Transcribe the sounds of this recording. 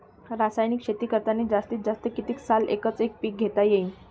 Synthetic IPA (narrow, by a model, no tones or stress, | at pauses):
ɾasajnikɕet̪iːkəɾt̪aneːd͡zast̪iːt̪̚d͡zast̪əkit̪iːksalḛkət͡sek̚piːk̚ɡʱet̪ajeiːn